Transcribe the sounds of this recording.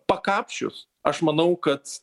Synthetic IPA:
pɐkɑːpʲʃʲʊ̰s | ɐʃmɐnɐʊkɐt̪

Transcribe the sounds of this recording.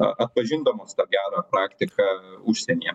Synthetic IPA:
ɐ̰ʔɐt̪̚pɐʒʲɪnd̪ɐmoːst̪ɑɡʲæːɾɑːpɾɑːkt̪ʲɪkɐʊʃʲsʲɛnʲiɛ

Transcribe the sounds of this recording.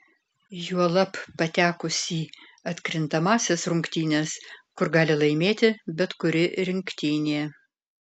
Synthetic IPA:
juɔlˠɐpːɐt̪ʲæːkʊsʲiː | ɐt̪ʲkɾʲɪnt̪ɐmɑːsʲesɾʊŋkt̪ʲiːnʲeskʊɾɡɑːlʲɪlˠɐɪmʲeːt̪ʲɪbʲɛt̪kʊɾʲɪɾʲɪŋʲkt̪ʲiːnʲeː

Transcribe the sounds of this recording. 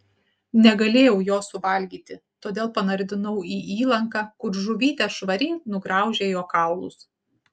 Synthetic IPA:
nʲɛɡɐlʲeːjɛʊjoːsʊʋɐlʲɡʲiːt̪ʲɪt̪oːd̪ʲeːlˠpɐnɐɾʲd̪ʲɪnɐʊiːʔiːlˠɐŋkɑːkʊɾʒʊʋʲiːt̪ʲɛʃʋɐɾʲɪnʊɡɾɑˑʊʒʲeːjoːkɑˑʊlˠʊ̰s

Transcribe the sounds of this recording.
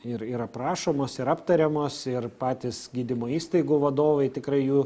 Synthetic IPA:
ɪɾiːɾɐpɾɑːʃoːmoːsɪɾɐpt̪ɐɾʲɛmoːsɪrpɑːt̪ʲiːsɡʲiːd̪ʲɪmoːiːst̪ɐɪɡuːʋɐd̪oːʋɐɪt̪ʲɪkɾɐɪjuː

